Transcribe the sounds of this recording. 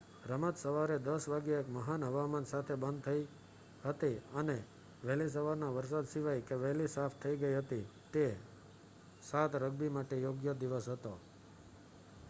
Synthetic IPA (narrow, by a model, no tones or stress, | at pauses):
ɾəmət̪səʋaɾed̪əsʋaɡjəekməɦanɦəʋamansat̪ʰebənd̪̚t̪ʰəi | ɦət̪iəne | ʋɛɦlis̬əʋaɾnaʋəɾsad̪siʋajkeʋɛɦlisapʰt̪ʰəiɡəiɦət̪it̪e | sat̪ɾəɡ̚bimaʈejoɡjəd̪iʋəsɦət̪o